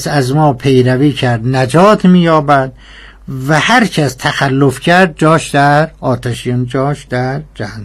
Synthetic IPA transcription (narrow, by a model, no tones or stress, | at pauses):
sæzmɒːpʰejɾæviːcʰæɾd̪næd͡ʒɒːt̪ʰmiːjɒːbæd̪ | væhæɾcʰæst̪ʰæxælːofcʰæɾd̪̚d͡ʒɒːʃd̪æɾɒːt̪ʰæʃijond͡ʒɒːʃd̪æɾd͡ʒæhnː